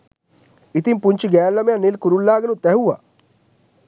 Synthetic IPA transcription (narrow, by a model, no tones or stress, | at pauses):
ɪt̪impuɲt͡ʃɡɛːllamejãnɪlkuɾullaːɡnũt̪ɛɦuːa̰ː